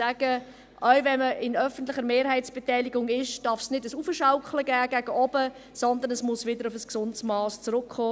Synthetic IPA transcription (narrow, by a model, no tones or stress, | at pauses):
æːɡ̥ə | ʔœɥvɛnməɪnœfən̩tlɪχəɾmeːɾɦɛɪtsb̥ɛtɛɪlɪɡʊŋɪʃd̥ɑɾfsnɪdəsufəʃaʊkləɡæːɡ̥æɡ̥əʔɔbə | sɔnd̪ənəsmʊsvɪdəɾʊfəsksʊnsmɑːst͡sɾʊkχoː